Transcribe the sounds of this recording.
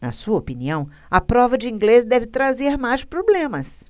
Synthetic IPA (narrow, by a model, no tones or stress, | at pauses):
nɐ̰suɐopiniɐ̃w̃ | ɐpɾɔvɐd͡ʒɪĩŋɡles̬d̪ɛvɪt̪ɾazeɾmajspɾoblẽmɐs